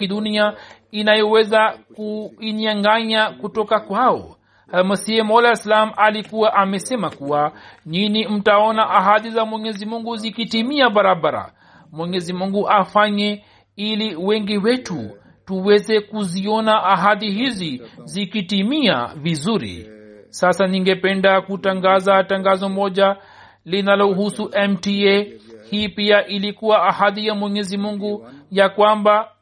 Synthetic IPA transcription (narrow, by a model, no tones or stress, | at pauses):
iɗunia | inajɔwɛzakuiɲaŋɡaɲakutɔkakwaɔ̰ | hamasiɛmɔlaislamalikuwaʔamɛsɛmakuwaninim̩taɔnaʔaɦaðizamwɛɲɛzimuŋɡuzikitimiaɓaɾaɓaɾa̰ | mwɛɲɛzimuŋɡuʔafaɲɛ | iliwɛŋɡiwɛtu | tuwɛzɛkuziɔnaʔaɦaðiɦizizikitimia̰vizuɾḭsasaniŋɡɛpɛndakutaŋɡazataŋɡazɔmɔʄa | linalɔhusuʔɛmtiɛhiːpiaʔilikuwaːhaðijamwɛɲɛzimuŋɡujakwamba